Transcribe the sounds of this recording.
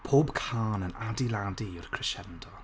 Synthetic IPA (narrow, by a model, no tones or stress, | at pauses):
pʰoːbkʰaːnənadiladiʊrkʰr̥ɪʃɛndɔ